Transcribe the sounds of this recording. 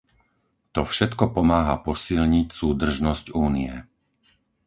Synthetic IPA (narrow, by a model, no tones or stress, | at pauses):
t̪ɔfʃɛt̪kɔpɔmaːɦapɔsilɲicsuːd̪r̩ʒnɔscuːniɛ